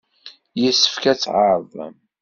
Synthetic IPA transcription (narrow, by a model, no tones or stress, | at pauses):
jəsːə̥fkæt͡sːʕəɾˤv̰m